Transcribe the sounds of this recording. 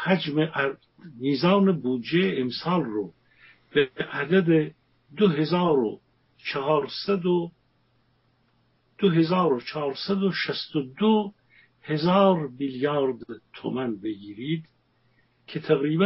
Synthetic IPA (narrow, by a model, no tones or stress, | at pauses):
hæd͡ʒmeʔ | mizɑːnebuːd͡ʒeːmsɑːlɾo | b̥eʔæd̪æd̪e | d̪oɦezɑːɾo̰ | t͡ʃʰːɾsæd̪o | d̪̥oɦezɑːɾot͡ʃʰɑːɾsæd̪oʃæst̪od̪o | hezɑːɾmiljɑːɾd̪t̪ʰomænbeɡiːɾiːd̪ | kʰet̪ʰæɣɾiːbæ